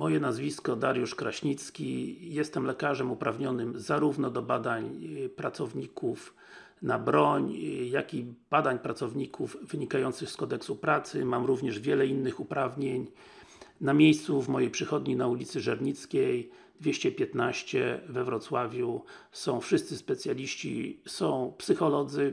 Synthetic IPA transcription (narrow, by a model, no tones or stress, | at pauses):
mɔjɛnazvʲiskɔd̪aɾjuʂkɾaɕɲit̪skʲijɛst̪ɛmlɛkaʐɛmupɾʔavɲɔnɘmzaɾuvnɔd̪ɔbad̪aɲpɾat̪sɔvɲikʰuf | nabɾɔɲjakʲib̥ad̪aɲpɾat̪sɔvɲikʰuvvɘɲikajɔnt̪sɘxskɔd̪ɛksupɾat̪sɘ̰mamɾuvɲɛʐvʲjɛlɛinːɘxupɾavɲeɲ | namʲjejst̪suvmɔjejpʂɘxɔd̪ɲinaulʲit̪sɘʐɛɾɲit̪skʲej | d̪vʲjeɕt͡ɕɛpʲjɛt̪naɕt͡ɕɛvɛvɾɔt̪swavʲjusɔ̃w̃fʂɘst̪sɘspɛt̪sʲjalʲiɕt͡ɕḭsɔ̃w̃psɘxɔlɔd̪zɘ